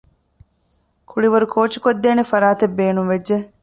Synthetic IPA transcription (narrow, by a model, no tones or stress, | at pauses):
kʰuɭiʋɐɾukʰoːt͡ʃu̥kod̪ːeːnefɐɾaːt̪ebːeːnuŋʋed͡ʒd͡ʒe